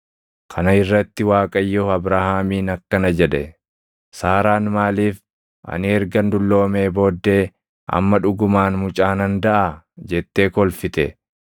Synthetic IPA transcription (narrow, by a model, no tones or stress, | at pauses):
kʰɐnɐɪrːɐt̪ːɪwaːkʼɐjːɔɐbɾahaːmiːnɐkːɐnɐd͡ʒɛᶑɛ | saːɾaːnmaːliːf | ʔɐ̰nɪɛɾɡɐnd̪ʊlːo̞ːme̞ːbo̞ːd̪ːe̞ː | ʔɐ̰mːɐᶑʊɡʊmaːnmʊt͡ʃʼaːnɐnd̪ɐʔa | d͡ʒɛt̪ːe̞ːkɔlfɪt̪ɛ